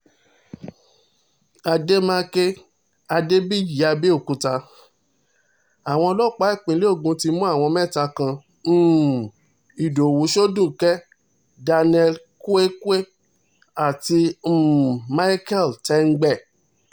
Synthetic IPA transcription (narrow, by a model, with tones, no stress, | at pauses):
a˧de˦mã˦ke˦ | a˧de˦bi˦d͡ʒi˨˦a˧bi˦o˦˨kũ˨˧ta˧ | a˨w̃ɔ̃˧ɔ˧lɔ˦˨k͡pa˨˦i˦˨k͡pĩ˨˦le˦o˦˨ɡũ˧˦ti˧˦mũ˦a˦˨w̃ɔ̃˧mɛ̃˦˨ta˧kã˧ | m̩ː˦˨ | i˨do˨wu˨˦ʃo˦dũ˦˨kɛ˦ | da˧nɛ˧l | ku˦e˦ku˦e˦ | a˦˨ti˧˨ | ma˦i˦kɛ˦˨ltɛ˧˦ŋ̩˦ɡ͡bɛ˦˨